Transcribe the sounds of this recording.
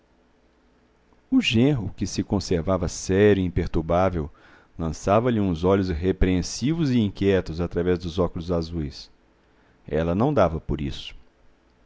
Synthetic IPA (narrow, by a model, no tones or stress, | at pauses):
ʊʒẽɦʊkɪsɪkõseɾvavɐsɛɾʊiĩpeɾt̪uɾbavew | lɐ̃savɐlɪũzɔʎʊsɦepɾeẽsivʊzɪĩkjɛt̪ʊzat̪ɾavɛzd̪ʊzɔkʊlʊzazujs | ɛ̰lɐnɐ̃w̃d̪avɐpoɾḭsʊ̥